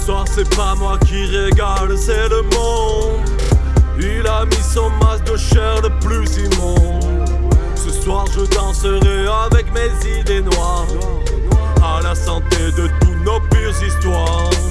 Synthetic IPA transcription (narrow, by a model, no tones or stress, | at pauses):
səswaʁsɛpamwakʲiʁeɡalsɛləmɔ̃ | ilamisɔ̃masd̪əʃɛʁləplyzimɔ̃ | səswaʁʒəd̪ɑ̃səʁɛ | avɛkmezid̪enwa | ʁ | alasɑ̃t̪ed̪ət̪utnopyʁzist̪wa | ʁ